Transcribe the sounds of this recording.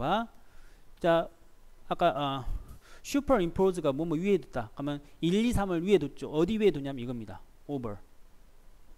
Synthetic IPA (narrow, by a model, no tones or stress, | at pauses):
a | t͡ɕ͈a | ak͈aʔʌ | ɕʰupʰʌɾimpʰɾosɯɡamʌmʌɥiɦedut̚t͈akɯmʌniʎːisʰamɯɭɥiɦedot̚t͡ɕ͈oʔʌdiɥedoɲamiɡʌmɲida̰obʌɾ